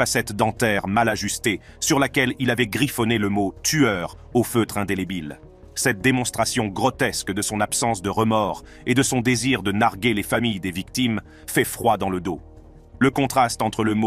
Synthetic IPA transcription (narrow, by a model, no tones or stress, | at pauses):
fasɛt̪d̪ɑ̃t̪ɛʁmalaʒyst̪e | syʁlakʲɛlilavɛɡʁifɔneləmot̪yœʁ | oføt̪χɛ̃d̪elebil | sɛt̪̚d̪emɔ̃st̪χasjɔ̃ɡʁɔt̪ɛskd̪əsɔ̃napsɑ̃sd̪əʁəmɔʁ | ed̪əsɔ̃d̪eziʁd̪ənaʁɡʲelefamijd̪evikt̪im | fɛfχwad̪ɑ̃ləd̪o | ləkɔ̃t̪χast̪ɑ̃t̪χələmo